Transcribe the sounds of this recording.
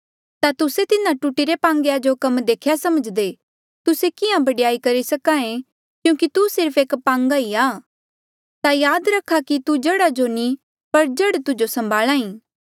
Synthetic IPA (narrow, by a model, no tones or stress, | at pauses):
t̪at̪ʊset̪ɪnãʈuʈiɾepãːŋɡejad͡ʒokɐmd̪eːkʰjasɐməd͡ʒd̪e | t̪ʊsekɪjãbɐɽijaːikɐɾisɐkaːẽ | kjũːkit̪usɪɾpʰeːkpãːŋɡaiaː | t̪ajaːd̪ɾɐkʰːakit̪ud͡ʒɐɽad͡ʒoni | pɐɾd͡ʒɐɽt̪ʊd͡ʒosɐ̃mbʱaːlãːĩː